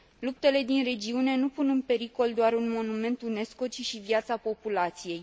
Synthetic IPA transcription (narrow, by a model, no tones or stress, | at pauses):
lup̚t̪e̞le̞d̪inre̞d͡ʒiune̞nupunɨnpe̞ɾiko̞ld̪oaɾunmo̞nume̞nt̪une̞sko̞t͡ʃiʃivijat̪sapo̞pulat̪sije̞j